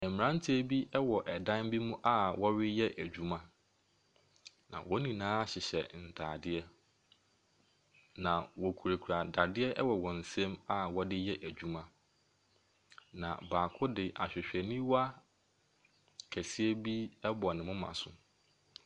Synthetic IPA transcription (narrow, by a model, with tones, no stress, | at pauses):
ɛ˨mː˨ɾã˦n˦tʰi˦æ˦˨bi˦ʔɛ˦wɔ˨ʔɛ˨dã˦n˦bi˦mũ˦ʔa˦wɔ˦ɥɪ˦jɛ˦ʔæ˨d͡ʑᶣu˦mã˦ | nã̰˨wɔ˦nĩ˨nãː˦a˦ɕɪ˨ɕɛ̰˨n̩˨tʰaː˨dɪ˦ɛ˦ | nã˨wɔ˨kʰu˨ɾæ˨kʰu˨ɾa˨da˨dɪ˦ɛ˦ʔɛ˦wɔ˨wɔ̃˨n̩˨sɛ̃˦ma˦wɔ˦dɪ˦jɛ˦ʔæ˨d͡ʑᶣu˦mã˦ | nã̰˨baː˨kʰʊ˦dɪ˨ʔa˨ɕᶣɪ˨ɕᶣɛ˨nĩ˦wa˦ | kʰæ˨si˦ɛ˦bi˦ɛ˦bɔ˨nɪ̃˨mʊ̃˦mã̰˨sʊ˦